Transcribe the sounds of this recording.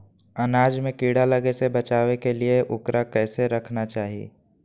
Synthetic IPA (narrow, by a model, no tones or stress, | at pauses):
ɐnaːd͡ʒmẽkiːɽalɐɡesebɐt͡ʃaːwekelieʔʊkɾakɛːseɾɐkʰnat͡ʃaːɦiḛː